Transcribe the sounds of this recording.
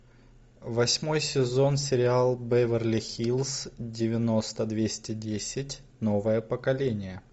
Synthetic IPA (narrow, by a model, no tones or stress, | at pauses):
vɐsʲmo̞jsʲɪzo̞nsʲɪɾʲɪalˠbɛvʲərlʲɪxʲilˠsdʲɪvʲɪno̞st̪əd̪vʲesʲtʲɪdʲesʲɪtʲ | no̞vəjəpəkɐlʲenʲɪjə